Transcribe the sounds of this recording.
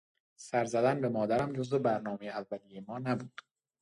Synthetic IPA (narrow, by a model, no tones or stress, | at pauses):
sæɾzæd̪ænbe̞mɒːd̪æɾæmd͡ʒo̞zebæɾnɒːmejeævːælijemɒːnæbuːd̪̥